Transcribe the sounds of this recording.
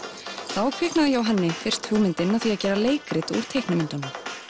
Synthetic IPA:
θawkʰvɪhknaðɪjɛawɦɛnːɪfɪr̥st̪hʏɣmɪnt̪ɪnːaθiaðcɛːɾaleːjkɾɪt̪ṵɾ̥t̪ʰejknɪmɪnt̪anʏ

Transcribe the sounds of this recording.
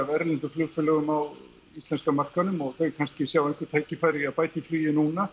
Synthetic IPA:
avɛɾlɪŋk̪ʏflʏɣfʏlœɣʏmaw | ist̪ɛnskamar̥kanʏmɔɣθœɥɾkʰanscɪsjawɛjŋ̥kvɪt̪ʰaːjcɪfaːjɾɪaðpaːjt̪ɪflyːjɪnuːna

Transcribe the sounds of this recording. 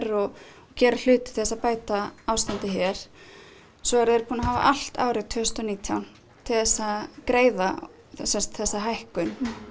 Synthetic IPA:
ɾɔ | cɛːɾal̥ʏːt̪ɪ̥θθɛsːapaːjt̪aaːwst̪ant̪ɪçɛɾ̥ | sɔɛɾðeɾpʰuːnaɦaːva̰ʔal̥t̪a̰ːwɾɪt̪ʰːʏːʏst̪ɔniːt̪ʰjawn | t̪ʰɪlθɛsːakɾeːjða | sɛst̪θɛsːaɦajhkʏn

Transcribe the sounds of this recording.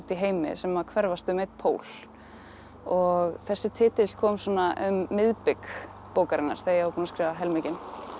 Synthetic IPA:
t̪iɦeːjmɪ̰sɛmakʰvɛɾvast̪ʏmejt̪̚pʰoːwl | ɔɣθɛsːɪt̪ʰɪːt̪ɪ̥kʰɔːmsɔːnaʔʏmːɪðpɪk | powkaɾɪnːa̰ɾ̥θejaaɾpuːnaskɾɪːvaɦɛlmɪcɪn

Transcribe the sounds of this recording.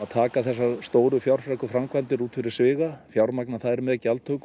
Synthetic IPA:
aðt̪ʰaːkaθɛsːast̪oːwɾʏfjawɾ̥fɾakʏfɾamkʰvant̪ɪɾuːt̪fɪɾɪɾ̥svɪːɣafjawɾmaknaθaðɛɾmɛðacalt̪ʰœk

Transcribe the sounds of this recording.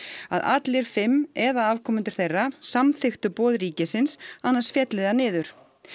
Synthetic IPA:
a̰ða̰t̪lɪɾ̥fɪmːɛðaaːvkʰɔːmʏnt̪ʏ̥θejrːasamθɪxt̪ʏpɔːðɾiːcɪsɪnsanːḁsfjɛt̪lɪðanɪːðʏɾ̥

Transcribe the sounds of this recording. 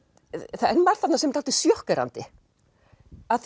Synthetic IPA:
θaɛnːmaɾ̥θat̪nasɛmɪt̪ʰalt̪ɪsjɔhkɛɾa̰nt̪ɪ | aðθ

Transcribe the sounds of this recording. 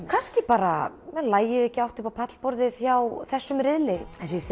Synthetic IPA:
kʰanscɪpaːɾa̰mɛnlaːjɪðɛhcɪawht̪ɪhpapʰat̪l̥pɔɾðɪθjawθɛsːʏmɾɪðlɪɛns̬s

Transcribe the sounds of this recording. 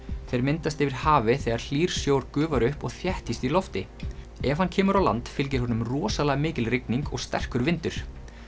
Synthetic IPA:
θejɾmɪnt̪ast̪ɪvɪɾ̥haːvɪθɛːɣaɾ̥l̥iːɾ̥sjoːwɾkʏːvaɾʏhpɔɣθjɛht̪ist̪ilɔft̪ɪ | ɛvhancʰɛːmʏɾawla̰nt̪fɪlc̬ɪɾhɦɔnʏmrɔːsalaɣmɪːcɪlɾɪkniŋkɔ̰ɣst̪ɛ̰r̥kʏɾvɪnt̪ʏɾ̥

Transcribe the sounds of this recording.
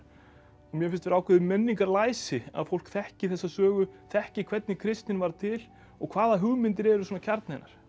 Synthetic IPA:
ɔɣmjɛfɪlst̪vɛɾaːwkʰvʏðɪmɛnːiŋkaɾlaːjsɪa̰ðfowl̥kθɛhcɪθɛsːasœːɣʏθɛhcɪkʰvɛt̪̚nɪkʰɾɪst̪nɪnvaɾt̪ʰɪl | ɔɣkʰvaːðaɦʏɣmɪnt̪ɪɾɛɾʏsuːnacʰaɾt̪najna̰ɾ̥

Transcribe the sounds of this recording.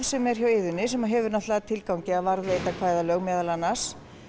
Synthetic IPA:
sɛmɛɾ̥çaweːðʏnːɪsɛmaɦɛvʏɾnaht̪laɣat̪ʰɪlkawɲcɪaðvaɾðʏejt̪akʰvaːjðalœɣmɛːðalanːas

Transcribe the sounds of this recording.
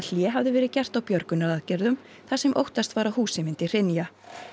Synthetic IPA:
l̥jɛɦavðɪvɛːɾɪðcɛr̥t̪awpjœɾkʏnaðaðcɛɾðʏm | θasɛmʔo̰wht̪ast̪vaːɾahuːsɪmɪnt̪ɪr̥ɪnja

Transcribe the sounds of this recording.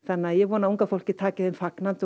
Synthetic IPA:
θanːɪaðjɛɣvɔːnauŋkafowl̥cɪt̪ʰaːcɪðʏmfaknant̪ʏ

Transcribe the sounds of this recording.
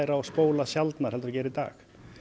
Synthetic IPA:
jɾaɔɣspoːwlasjalt̪naɾhɛlt̪ʏɾacɛːɾɪit̪a̰ːx

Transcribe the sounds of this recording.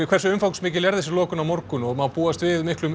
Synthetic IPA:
kʰvɛr̥sʏʏmfawkn̥smɪːcɪljɛɾðɛsɪlɔːkʏnawmɔɾkʏnɔɣmawpuːast̪vɪðmɪhklʏm

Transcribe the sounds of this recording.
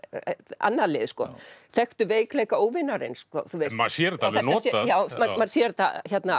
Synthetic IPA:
a̰nːaleːðskɔθɛxt̪ʏveːjklɛːjkaoːwvɪnːaɾḛnskɔ̰θuɪmasjɛɾt̪aanːtsɛajaːwmamaɾsjɛɾt̪ʰa̰çɛt̪na

